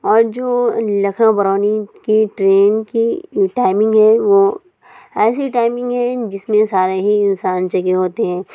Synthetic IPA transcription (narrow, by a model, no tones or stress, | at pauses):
ɔːɾd͡ʒoːlɐkʰnãbɐɾɔːnikiʈɾeːnkiʈaːɪmɪ̃ŋɡɦɛ̃ʋo | ɛːs̬iʈaːɪmɪ̃ŋɡɦɛ̃d͡ʒɪsmẽsaːɾeɦiɪ̃nsaːnt͡ʃɐɡeɦoːt̪eɦɛ̃ː